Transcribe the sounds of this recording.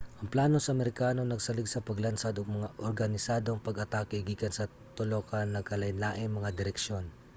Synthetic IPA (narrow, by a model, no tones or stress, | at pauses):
ʔʔɐŋplaːnosɐʔɐmɛɾɪkaːno̞nɐɡsɐlɪɡsɐpɐɡlɐnsad̪oŋmɐŋaʔoɾɡɐnɪsaːd̪oŋpɐɡɐt̪aːkɛɡiːkɐnsɐ | t̪olokɐnːɐkɐlɐjnlaːʔɪnmːɐŋad̪ɪɾɛkʃjo̞n